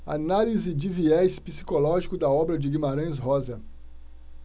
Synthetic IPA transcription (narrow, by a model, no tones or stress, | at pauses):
a̰nalizɪd͡ʒɪviɛspisi̥kolɔʒikʊd̪ɐɔbɾɐd͡ʒɪɡimaɾɐ̃j̃s̬ɦɔzɐ